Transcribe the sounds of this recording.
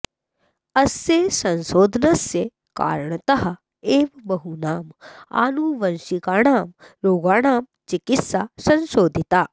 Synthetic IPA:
ɐsjeːsɐnʃoːd̪ʱɐnɐsje | ka̰ːɾɳɐt̪ɐɦɐ̆ | eːʋbɐɦunaːma̰ːnuːʋɐnʃikaːɳaːmɾoːɡaːɳaːm | t͡ʃikit̪saːsɐnʃoːd̪ʱit̪aː

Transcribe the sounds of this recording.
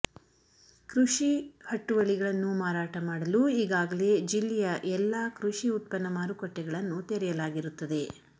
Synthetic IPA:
kɾuʂihɐʈːuʋɐɭiɡɐɭɐnːumaːɾaːʈɐmaːɽɐluiːɡaːɡɐle̞d͡ʒilːɛjɐʔɛlːaːkɾuʂiut̪̚pɐnːɐmaːɾukɔʈːɛɡɐɭɐnːut̪eɾɛjɐlaːɡiɾut̪ːɐd̪e̞

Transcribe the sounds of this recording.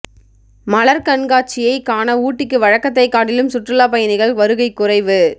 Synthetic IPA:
mɐlɐɾkɐɳɡaːt͡ʃːɪjɐɪkaːnɐuːʈːɪkːɯʋɐɻɐkːɐt̪̬ːɐɪkːaːʈːɪlɯmsʊʈrɯlaːpɐjɐnɪɣɐɭʋɐɾɯɣɐɪkːʊrɐɪʋɯ

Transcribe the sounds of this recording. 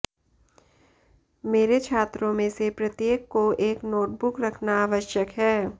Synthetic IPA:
meːɾet͡ʃʰaːt̪ɾõmẽsepɾɐt̪jeːkːoeːknoːʈ̚bʊkɾɐkʰnaaːʋəʃjəkɦɛː

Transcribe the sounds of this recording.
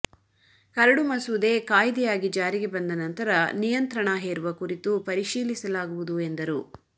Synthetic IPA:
kɐɾɐɽumɐsud̪e̞ːkaːjd̪ɛjaːɡid͡ʒaːɾiɡebɐnd̪ɐnɐnt̪ɐɾɐnijɐnt̪ɾɐɳɐɦeːɾuʋɐkuɾit̪upɐɾiʃiːlisɐlaːɡuʋud̪uend̪ɐɾu

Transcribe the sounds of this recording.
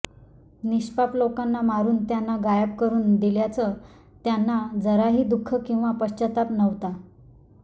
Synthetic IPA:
niɕpaplokanːamaɾuːnt̪janːaɡajəpkəɾuːnd̪iljat͡sə | t̪janːad͡zəɾaɦiːd̪ukʰːəkĩw̃ʋapəɕt͡ɕət̪apnəʋt̪a

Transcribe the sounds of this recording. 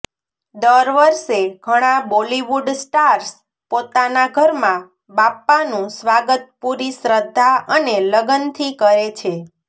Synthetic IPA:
d̪əɾʋəɾʃeɡʱəɽ̃ãboliʋuɖsʈaɾs | pot̪anaɡʱəɾmã | bapːanũsʋaɡət̪̚puɾisɾəd̪ʱːaʔəneləɡənt̪ʰikəɾet͡ʃʰe

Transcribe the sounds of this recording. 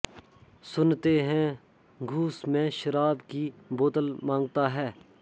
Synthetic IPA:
sʊnt̪eɦɛ̃ | ɡʱuːsmẽːʃəɾaːbkiboːt̪əlmãːŋɡt̪aːɦɛː

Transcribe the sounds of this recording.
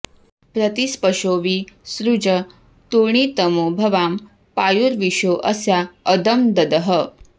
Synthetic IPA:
pɾət̪ispəʂoːʋiːsɾud͡ʒə | t̪uɳ̃it̪əmoːbʱɐʋaːm | pajuɾʋiʂoːʔəsjaəd̪əmd̪ɐd̪əɦə

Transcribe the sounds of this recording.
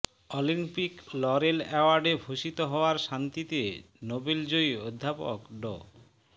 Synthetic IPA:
olimpiklɔɾelɛoaɾɖebʱoʃit̪oɦɔoaɾʃant̪it̪e | nobeld͡ʑojod̪ʱːapo̰kɖɔ̰

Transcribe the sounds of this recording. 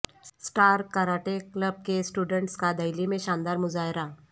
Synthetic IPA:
sʈaːɾkaːɾaːʈekləb̚kesʈuːɖə̃ɳʈskad̪ɐɪlimẽʃãːnd̪aːɾmʊzaːɦɪɾa

